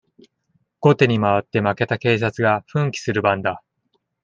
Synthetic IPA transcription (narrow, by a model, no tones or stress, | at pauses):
ɡ̥o̞t̪e̞ɲ̟imaβat̪ːe̞make̞t̪ake̞ːs̬at͡sɨɡaɸɯ̟̃ŋkʲi̥sɨɾɯ̟bãnd̪a